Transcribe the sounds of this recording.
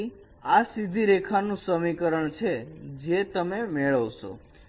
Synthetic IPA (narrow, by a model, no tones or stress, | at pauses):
asid̪ʱiɾekʰanũsəmikəɾəɳt͡ʃʰed͡ʒet̪əmemeɭəʋʃo̰